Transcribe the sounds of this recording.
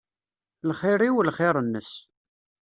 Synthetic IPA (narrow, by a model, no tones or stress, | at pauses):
lχɪɾˤiwlχɪɾˤənːəs